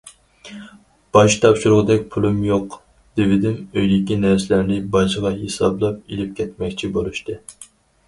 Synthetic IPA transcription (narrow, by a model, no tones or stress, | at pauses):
b̥ɑʃt̪ʰɑpʃuɾʊʁd̪ɛkʲpʰulˠumjoq | d̪̥evɪd̪ɪmøjd̪ɪkʲinæɾsɪlæɾnɪbɑʒəʁɑɦesɑ̰blˠɑp̚elɪp̚kʲʰɛt̪mɛkʲt͡ʃʰibolˠuʃt̪ɨ